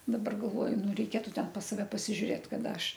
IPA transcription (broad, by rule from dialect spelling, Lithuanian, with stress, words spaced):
dɐˈbɐr ɡɐlˠˈʋoːjʊ ˈnʊ rʲɛɪˈkʲeːtʊ ˈtʲɛn pɐs sɐˈʋʲɛ pɐsʲɪʒʲʊˈrʲeːt kɐˈdɐ ˈɐʃ